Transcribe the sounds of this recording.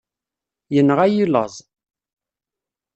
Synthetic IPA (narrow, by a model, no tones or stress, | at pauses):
jənːʁæjilə̰zˤ